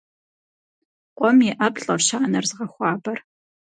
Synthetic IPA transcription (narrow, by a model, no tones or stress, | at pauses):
qʷʼɔmiʔɐpɬʼɐrʃaːnɐrzʁɐxʷɑːbɐr